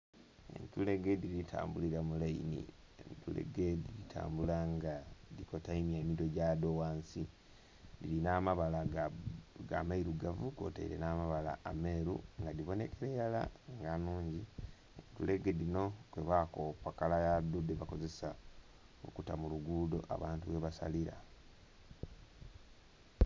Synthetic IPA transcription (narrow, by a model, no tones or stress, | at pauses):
ḛntule̞ɡediɾitʰa̰ːmbuliɾamulainḭ | ḛntule̞̰ɡe̞diɾitʰa̰ːmbulaŋɡadiko̞taimjeːmito̞ɟadowaːnsi | dilinaːmaβala | ɡamaiɾuɡavuko̞̰taḭɾe̞̰naːmaβala̰ːmeːɾṵŋɡadiβo̞ne̞keɾejala̰ŋɡanuːɲɟi | tule̞ɡe̞dino̞kweβakopakalajadudeβako̞ze̞sa | o̰kutamuluɡudo̞̰ʔa̰βaːntuβe̞βasa̰liɾa̰